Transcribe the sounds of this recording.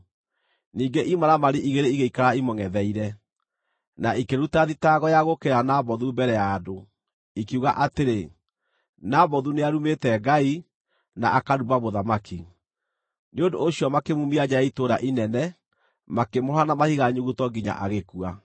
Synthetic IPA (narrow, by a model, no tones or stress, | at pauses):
niːŋɡeʔimaɾamaɾeʔiɣeɾeiɣeikaɾaimɔŋɛðɛiɾɛ | naikeɾutaðitaɣɔjaɣokeɾanaβɔðumbɛɾɛjaːdo | ikiuɣaʔateɾe | naβɔðuneaɾumetɛɡai | naʔakaɾubaβoðamaki | neondo̰ːɕiɔmakemumiad͡ʑajaitoɾaʔinɛnɛ | makemoɾanamahiɣaɲuɣutɔɡiɲa̰ʔaɣekua